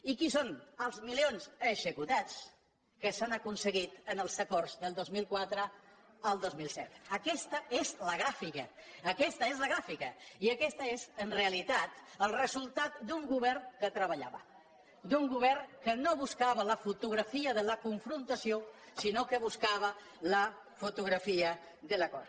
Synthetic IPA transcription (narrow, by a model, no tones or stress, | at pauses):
ikisonəlˠzmilionzəʒəkut̪at͡s | kəsanəkunsəɣit̪ənəlˠzəkorzðəlˠd̪ozmilˠkwat̪ɾə | əlˠd̪ozmilˠsɛ̰t̪əkɛst̪əezləɣɾafikəːkɛst̪əezləɣɾafikəiəkɛst̪əezənreəlit̪at̪əlˠrəzulˠt̪at̪̚d̪uŋɡuβɛrkət̪ɾəβəʎa̰βə̰ | d̪uŋɡuβ̞ɛrkənoβuskaβələfut̪uɣ̞ɾəfiəðələkuɱfɾunt̪əsiosinokəβuskaβə | lə | fut̪uɣɾəfiə | ðələkɔ̰r